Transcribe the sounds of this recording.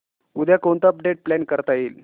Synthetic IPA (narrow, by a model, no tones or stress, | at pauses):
ud̪ʱjakont̪əəp̚ɖeʈ̚plɛnkəɾt̪ajiːl